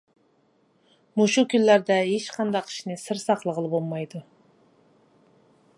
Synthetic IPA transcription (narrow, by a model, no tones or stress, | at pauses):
muʃukʲynlːæɾd̪ɛɦeʃqʰɑnd̪ɑqʰi̥ʃnɪsɨɾsɑqlˠəʁəlˠɨbolˠmɑjd̪u